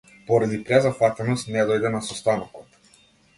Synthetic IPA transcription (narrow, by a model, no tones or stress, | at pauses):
pɔɾad̪ipɾɛzafat̪ɛnɔst̪nɛd̪ɔjd̪ɛnasɔst̪anɔkɔt̪